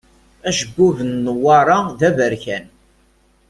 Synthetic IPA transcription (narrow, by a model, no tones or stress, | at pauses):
æʃəɡʷːuvənːwɑɾˤɑðævəɾçæn